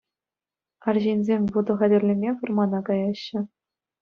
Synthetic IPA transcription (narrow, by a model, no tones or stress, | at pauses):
ɑrʑinʲzʲemʲʋud̪ɤ̆ʁɑdʲɘ̆rʲlʲĕmʲevɤ̆rmɑnɑkɑjɑɕːɘ̆